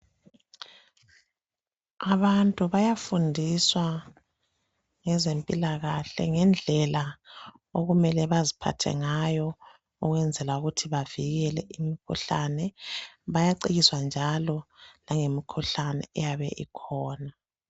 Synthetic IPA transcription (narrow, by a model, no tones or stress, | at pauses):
aβantʼuβajafundʱiswa | ŋɛzempʼilaɣaɬɛ̰ŋɛnd͡ɮʱɛla | oɣumɛlɛβazipʰa̰tʰɛ̰ŋajɔ | uɣwɛnd͡zʱɛlauɣutʰiβav̥iɣɛlɛʔimikʰṵɬanɛβajaǀiɣiswand͡ʒʱalɔlaŋemikʰuɬanɛ̰ːjaβɛ̰ʔikʰɔːna